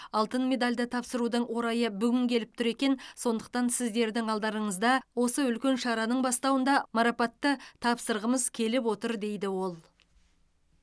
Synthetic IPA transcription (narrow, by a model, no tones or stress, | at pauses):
ɑlˠt̪ənmʲe̞d̪alʲd̪ɪt̪ʰɑpsəɾud̪əɴwʔo̞ɾɑjəbʏɡʲɪŋkʲʰe̞lɪp̚t̪ʰʊɾe̞kʲe̞nso̞nd̪əq̚t̪ɑnsɪzd̪e̞ɾd̪ɪŋɑlˠd̪ɑɾəɴəzd̪ɑwo̞səʏlkʲe̞nʃɑɾɑnəɴbɑst̪ɑwənd̪ɑmɑɾɑpɑt̪ːət̪ʰɑpsəɾʁəməzkʲʰe̞lɪpwo̞t̪əɾd̪e̞jd̪ɪwo̞lˠ